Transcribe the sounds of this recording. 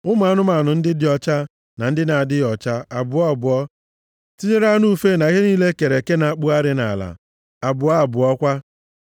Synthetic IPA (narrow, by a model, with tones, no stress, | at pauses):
ʊ˦m˦˨a˨˦nʊ˦ma˨nʊ˨n̩˦dɪ˦dɪ˨˦ɔ˨t͡ʃa˦ | na˨n̩˦dɪ˦na˨a˨dɪ˦ɔ˨t͡ʃa˦a˨bʊ˨ɔ˦a˨bʊ˨ɔ˦ | ti˦ɲe˦ɾa˦nu˦fe˦na˨i˦ɦe˦niː˦le˦ke˨ɾe˨ke˦na˨a˦˨k͡pu˦a˦ɾɪ˦na̰˨la̰˨ | a˨bʊ˨a˦a˨bʊ˨ɔ˦kʷa˦